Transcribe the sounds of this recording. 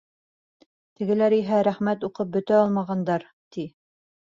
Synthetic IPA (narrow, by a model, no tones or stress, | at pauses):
t̪ɘ̆ɡɘ̆læɾiɦæɾæχmæt̪uqɤp̚bɵ̆t̪æɒlˠmɑʁɑnd̪ɑɾ | t̪i